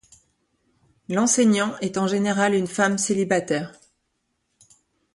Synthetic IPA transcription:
lɑ̃sɛɲɑ̃ɛt̪ɑ̃ʒeneʁalynfamselibat̪ɛːʁ

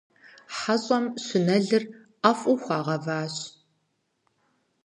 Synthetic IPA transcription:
ħaɕʼɔmɕɪnɐɮɨr | ɐfʼuxʷɑːʁɐvaːɕ

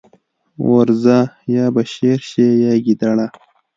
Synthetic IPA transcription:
wa̰ɾzajaːbaɕeɾɕejaːɡid̪aɽa

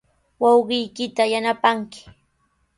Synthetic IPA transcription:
wɑwɢɪjkɪt̪ajanapaŋkɪ̥

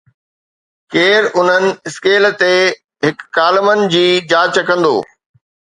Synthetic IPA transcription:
keːɾʊn̤ənɪ̆ɪskeːlt̪e | ɦɪkːaːlɪmənɪ̆d͡ʑiːd͡ʑaːt͡ɕəkɐ̃nd̪o̰ː

